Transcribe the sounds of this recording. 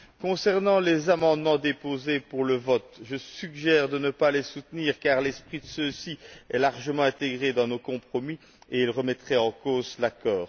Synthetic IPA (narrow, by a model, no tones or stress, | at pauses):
kɔ̃sɛʁnɑ̃lezamɑ̃d̪mɑ̃d̪epozepuʁləvɔt̪ʒəsyɡʒɛːʁd̪ənəpalesut̪niːʁkaʁlɛspχid̪əsøsiɛ̰laʁʒəmɑ̃ɛ̃t̪eɡʁed̪ɑ̃nokɔ̃pχɔmi | eilʁəmɛt̪χɛɑ̃koːzlakɔːʁ